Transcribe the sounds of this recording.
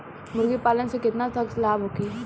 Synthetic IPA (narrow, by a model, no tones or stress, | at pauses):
mʊɾɡipaːlənsekɪt̪nat̪ɐkslaːbɦoːkiː